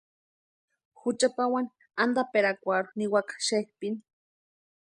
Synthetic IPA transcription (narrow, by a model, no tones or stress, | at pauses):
xut͡ʃapawani | and̪apeɾakʷaɾuniwakḁʃek̚pini